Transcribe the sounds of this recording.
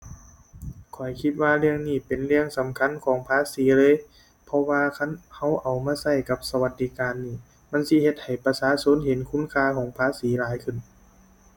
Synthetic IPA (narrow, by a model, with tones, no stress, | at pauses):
kʰɔ˨˩jkʰi˧t̪̚waː˧lɯ˧əŋniː˧˩pe˨nlɯ˧əŋsa˨˦mkʰa˧˥˨nkʰɔː˨˦ŋpʰaː˧˥˨siː˨˦lɤː˧˥˨j | pʰɔ˧waː˧kʰa˧˥˨nha˧˩wʔa˨˩wmaː˧˥˨sa˧˩jka˧˦p̚sa˧wa˧˦t̪̚diː˧˦kaː˨˧nːiː˧˩ | ma˧˥˨nsi˧˥he˧t̪̚ha˨˩jpa˧saː˧˥˨so˧˥˨nhe˨˦nkʰu˧˥˨nkʰaː˧˨kʰɔː˨˦ŋpʰaː˧˨siː˨˦laː˨˦jkʰɯ˧˩n